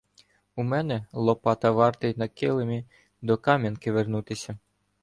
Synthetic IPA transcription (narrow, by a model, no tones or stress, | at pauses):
umɛnɛlˠɔpɑt̪ɐʋɑrt̪ɐjnɐkɪlˠemʲi | d̪ɔkɑmʲjɐnkɪʋernut̪ɪsʲɐ